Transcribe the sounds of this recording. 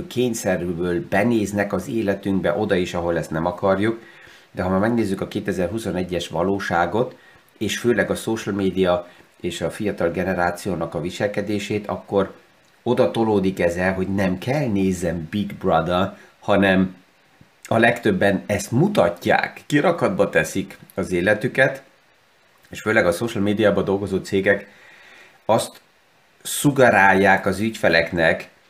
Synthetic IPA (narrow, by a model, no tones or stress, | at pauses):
kʰeːɲsɛrbøːlbɛneːznɛkɒzeːlɛt̪yŋɡbɛʔo̞d̪ɒiʃɒɦo̞lɛst̪nɛmɒkɒrjuk | d̪ɛɦɒmaːmɛɡneːzːykɒkeːt̪ɛzɛrɦusonɛɟːɛʃʋɒ̰loːʃaːɡo̞t̪ | eːʃføːlɛɡɒsoːʃlmeːd̪ijɒ | eːʃɒfijɒt̪ɒlɡɛnɛɾaːt̪sijoːnɒkɒviʃɛlkɛd̪eːʃeːt̪ɒ̰kːo̞r | o̞d̪ɒt̪o̞loːd̪ikɛzɛlɦo̞ɟnɛmkʰɛlneːzɛmbiɡbrɒd̪ɒ | hɒnɛm | ɒlɛkt̪ø̞bːɛnɛst̪mut̪ɒcːa̰ːkːiɾɒkhɒd̪bɒt̪ɛsikɒzeːlɛt̪ykɛt̪ | eːʃføːlɛɡɒsoʃalmeːd̪ijaːbɒd̪o̞lɡo̞zoːt̪seːɡɛk | ɒst̪ | suɡɛɾaːjːaːkɒzycfɛlɛknɛk